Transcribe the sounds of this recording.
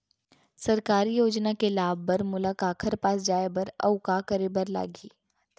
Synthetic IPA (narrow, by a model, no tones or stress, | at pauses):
sɐɾkaːɾijoːd͡ʒnakelaːbːəɾmʊlakaːkʰəɾpaːs̬d͡ʒaːebəɾɐ̰ʊkaːkəɾebəɾla̰ːɡiː